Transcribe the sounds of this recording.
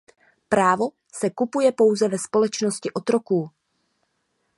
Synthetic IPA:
pɾaːvo̞ | sɛkupujɛpo̞wzɛvɛspo̞lɛt͡ʃnoscɪʔo̞t̪ɾo̞kuː

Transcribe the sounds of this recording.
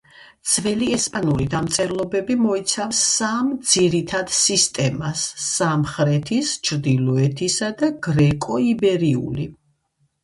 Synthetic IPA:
d̪sʰvɛliɛspʼanulid̪amt̪sʼɛɾlˠɔbɛbimɔit̪sʰafsːamd̪z̥iɾit̪ʰad̪sist̪ʼɛmasamχɾɛt̪ʰist͡ʃʰɾd̪ilˠɔɛt̪ʰisad̪aɡ̥ɾɛkʼɔibɛɾiṵli

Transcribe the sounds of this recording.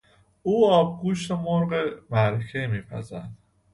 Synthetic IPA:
uːɒːb̚ɡuːʃt̪emoɾɢemæɾecʰemiːpʰæ̰zænd̪̥

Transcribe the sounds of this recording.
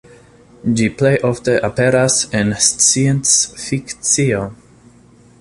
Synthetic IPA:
d͡ʒiplejʔofte̞ʔape̞ɾasenst͡siensfikt͡sio

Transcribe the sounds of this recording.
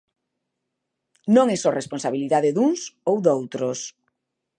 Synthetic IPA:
nõŋɛsɔrʔesponsaβiliðaðeðuŋsowðowt̪ɾos

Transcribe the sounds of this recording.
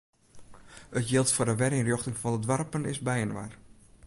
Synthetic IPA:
ətjɪlˠtfordəʋɛɾinrjoxtɪŋfɔndədʋarpənɪsbɛjənʋa̰r

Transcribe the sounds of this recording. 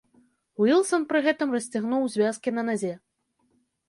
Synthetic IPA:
wilˠsɔnpɾɨɣɛt̪ɨmrɐsʲt͡sʲaɣnuwzʲvʲaskʲinɐnazʲɛ

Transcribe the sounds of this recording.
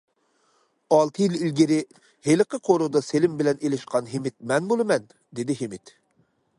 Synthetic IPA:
ɑlˠt̪ʰɨjililɡʲiɾɪ | helɪqəqʰoɾud̪ɑselɪmbɪlɛnelɪʃqɑnɦemɪt̪̚mɛnbolˠɨmɛn | d̪ed̪ɪɦemɪt̪

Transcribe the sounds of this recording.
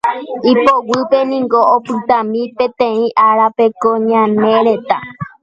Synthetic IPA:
ipowɨpenĩŋɡoopɨt̪ãmĩpẽ̞t̪ẽĩʔaɾape̞koɲãnẽɾe̞t̪a

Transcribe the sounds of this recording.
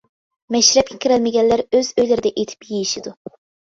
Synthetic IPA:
mɛʃɾɛp̚kʲʰɛkʲʰiɾælmɪɡʲɛnlːæɾøz̥øjlɪɾɪd̪ɛʔet̪ʰɪ̥pjejiʃid̪u

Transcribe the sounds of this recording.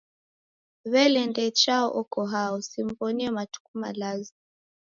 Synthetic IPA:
βɛlɛndɛt͡ʃaɔ̰ʔɔkɔɦaɔsim̩bɔniɛmatu̥kuma̰lazi

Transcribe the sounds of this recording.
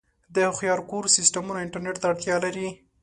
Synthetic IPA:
d̪əxjɑɾkoɾsisʈamunaɪɳʈaɾneʈt̪aaɽt̪jɑlaɾi

